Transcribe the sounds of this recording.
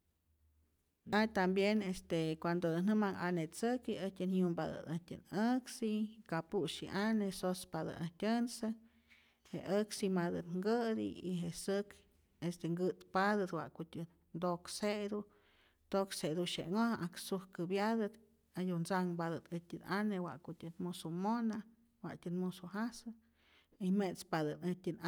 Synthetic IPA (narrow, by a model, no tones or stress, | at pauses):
at̪ambjenest̪ekʷand̪od̪ɨnɨmaŋʔa̰net͡sɨkiətʲɨnhjumbad̪ɨ̰d̪atʲɨ̰nəksikapuʃḭʔanesospad̪ɨ̰atʲənsɨ | heʔəksimad̪ɨt̪ŋɡɨd̪ḭiɦeʔsɨk | est̪eŋɡɨt̪pad̪ɨt̪wa̰ʔkutʲɨ | nd̪oksed̪u | t̪oksed̪uʃḛʔŋoʔaksuhkɨbjad̪ɨt̪ | ajunt͡saŋbad̪ɨt̪ɨt̪ʲɨnanewa̰ʔkutʲɨnmusumona | wa̰ʔtʲɨnmusuɦasɨ | imet͡spad̪ɨnɨtʲɨn